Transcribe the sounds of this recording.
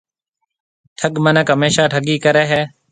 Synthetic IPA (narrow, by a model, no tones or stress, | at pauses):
ʈʰəɠmənəkɦəmeːʃaːʈʰəɠiːkəɾeːɦɛː